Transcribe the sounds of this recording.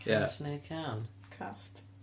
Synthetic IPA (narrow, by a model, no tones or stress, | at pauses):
kʰasnekʰan | kʰast̪